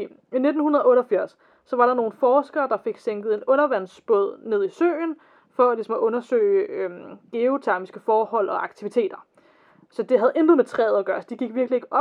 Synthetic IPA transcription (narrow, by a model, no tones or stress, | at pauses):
ine̝d̥n̩hunɐð̞ˠɔ̽ːɾfiɐ̰sː | ɒ̽ʋɑ̈ɾ̥ɑ̈no̝ːn̩fɒːsɡ̥ɐːd̥ɑ̈fe̝ɡ̥seŋ̰ɡ̥ð̩ˠe̝nɔ̽nɐʋæn̰sb̥ɔð̞̰ˠne̝ð̰ˠisø̰ːn | fɒ̽ælisɒ̽mɒʔɔ̽nɐsø̰ːɪømɡ̥e̝o̝t͡sʰæɐmisɡ̥əfɒːhɒ̽l̰ɒ̽ʔɑ̈ɡ̥̚t͡sʰiʋit͡sʰe̝̰ːd̥ɐ | sɒ̽d̥e̝ɦæð̞̩ˠend̥ʁ̩ˠmet͡sʰʁɛ̰ːð̞̩ˠæɡ̥ɶːɐsɒd̥e̝ɡ̥iɡ̥ʋiɐɡ̥lie̝ɡ̥əʔɒ̥̽